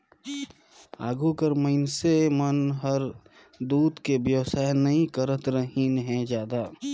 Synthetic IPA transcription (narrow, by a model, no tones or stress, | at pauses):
a̰ːɡukəɾməɪnsemənɦəɾ | d̪uːd̪kebjəʋsaːnəɦĩkəɾət̪ɾəɦinɦɛ̃d͡ʒjaːd̪aː